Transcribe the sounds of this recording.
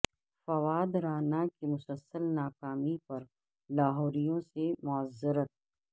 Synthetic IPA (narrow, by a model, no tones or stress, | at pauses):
fɐwaːd̪ɾaːnakimʊsəlsəlnaːkaːmipɐɾ | laːɦɔːɾijõsemʊəzːɪɾət̪̚